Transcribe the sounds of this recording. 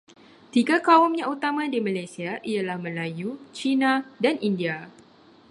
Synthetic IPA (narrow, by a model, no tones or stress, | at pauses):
t̪iɡakaʊmɲãut̪amãdimãlajsiaʔijalahmə̃lajut͡ʃinãdanindia